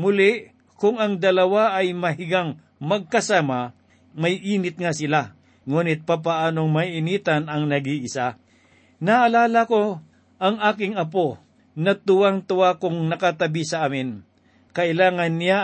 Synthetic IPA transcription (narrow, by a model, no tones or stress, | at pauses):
mʊlɪʔ | kʊŋɐŋd̪ɐlɐwaʔɐjmɐɦɪɡaŋ | mɐɡ̚kɐsaːma | mɐjʔiːnɪt̪̚ŋasɪla | ŋuːnɪt̪̚pap̬aʔaːnoŋmɐʔɪniːt̪ɐnɐŋnɐɡiʔɪsa | nɐʔɐlaːlɐko̞ | ʔɐŋaːkɪŋɐp̬o̞ | nɐt̪ʊwaŋt̪ʊwakʊŋnɐkat̪ɐbisɐʔaːmɪn | kɐʔɪlaːŋɐnːɪja